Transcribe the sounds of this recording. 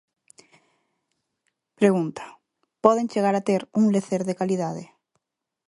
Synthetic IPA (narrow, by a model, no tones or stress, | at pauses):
pɾeɣunt̪ḁ | pɔðeŋt͡ʃeɣaɾat̪eɾuŋleθeɾðekaliðaðe